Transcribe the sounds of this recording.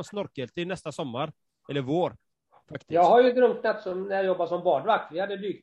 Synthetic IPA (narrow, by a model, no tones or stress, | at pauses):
nsnɔɾkəlt̪ʰɪlnɛst̪asɔmːaɾ | ɛlːəɾvoːɾ | fakt̪ɪ̥jɑːɡhaɾjɵd̪ɾɵŋknat̪sɔmnæɾjajɔbːaʂɔmbɑːɖvak̚t̪vɪhad̪ːəbyːɡ̚t̪